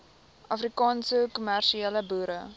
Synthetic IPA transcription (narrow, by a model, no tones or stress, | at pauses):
ʔɐfrikɑːnsəkumærʃieːləbuːɾə